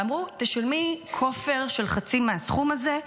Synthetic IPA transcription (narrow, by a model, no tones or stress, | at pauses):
amʁut̪eʃolmikʰofe̞ʁʃelχat͡simeasχumaze